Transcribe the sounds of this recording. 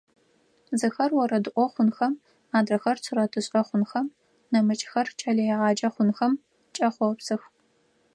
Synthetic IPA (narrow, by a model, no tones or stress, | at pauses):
zɨxɐrwɔɾɐdɨʔʷɔχʷʊnxɐm | aːdrɐxɐrt͡sʰɨrɐtʰɨɕʼɐχʷʊnxɐm | nɐmɨt͡ʃʼxɐrt͡ʃʰɐɮɐjɛʁɑːd͡ʒɐχʷʊnxɐm | t͡ʃʼɐχʷɔpsɨx